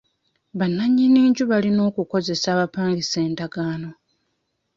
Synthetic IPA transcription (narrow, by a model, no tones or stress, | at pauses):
βanːaɲːiniːɲɟuβalino̞ːkuko̞ze̞saːβapaːŋɡise̞ːndaɡaːno̞